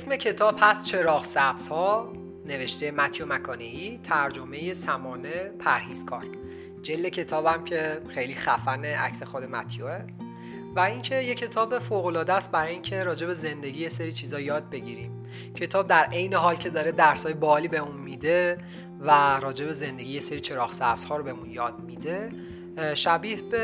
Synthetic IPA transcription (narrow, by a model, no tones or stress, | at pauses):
esme̞cʰe̞t̪ʰɒːb̥hæst̪̚t͡ʃʰe̞ɾɒːɣsæbz̥hɒː | ne̞ve̞ʃt̪e̞jemæt̪ʰjomækʰɒːne̞it̪ʰæɾd͡ʒome̞je̞sæmɒːne̞pʰæɾhiːz̥kʰɒ̰ːɾ | d͡ʒe̞ld̪ecʰe̞t̪ʰɒːbæmcʰe̞xe̞jliːxæfæneʔæ̰csexod̪e̞mæ̰t̪ʰjoe | væiŋcʰe̞je̞cʰe̞t̪ʰɒːbe̞foːɣo̞lɒːd̪ææst̪̚bæɾɒːjeiːŋcʰe̞ɾɒːd͡ʒe̞be̞ze̞nd̪eɟiːjeseɾiːt͡ʃʰiːzɒːjɒːd̪̚be̞ɟiɾḭːm | cʰe̞t̪ʰɒːb̚d̪æɾʔe̞jneɦɒːlcʰe̞d̪ɒːɾed̪æɾsɒːjebɒːliːbeunmid̪e̞ | væɾɒːd͡ʒe̞be̞ze̞nd̪e̞ɟijeseɾit͡ʃʰe̞ɾɒːxsæfz̥hɒːɾobemunjɒːd̪̥̚mid̪e̞ | ʃæbiːhbe